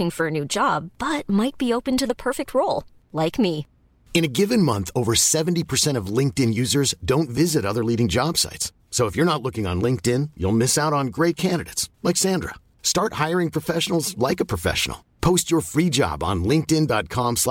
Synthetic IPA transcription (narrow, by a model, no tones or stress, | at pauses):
ɪ̃ŋfə˞ɨnʉd͡ʒɑb̥ʌt̚maɪt̚b̥ioʊpɨ̃ntɨðəpʰɜ˞fɪk̚t̚ʰɹoʊlˠ | laɪkmi | ɨ̃ñɨɡɪvɨ̃nmʌ̃nθoʊvə˞sɛvn̩tipʰə˞sɛ̃ɾ̃ʌvlɪ̃ŋk̚tɨ̃njʉzə˞zdõʊ̃ntvɪzɨɾʌðə˞liɾɪ̃ŋd͡ʒɑb̥sa̰ɪtsːoʊəfjə˞ñətˡlʊkɪ̃ŋə̰̃nlɪ̃ŋk̚tɪ̃njṵlˠmɪsaʊɾn̩ɡɹeɪt̚kʰæ̃ndɨɾeɪtslɛksæ̃ndɹə̰ | stɑɹt̚haɪə˞ɪ̃ŋpʰɹ̥əfɛʃn̩l̩ˠzlaɪkəpʰɹ̥əfɛ̰ʃn̩l̩ˠpʰoʊst͡ʃə˞fɹid͡ʒɑ̰b̃n̩lɪ̃ŋk̚tɪ̃ndɑt̚kʰɑ̃msl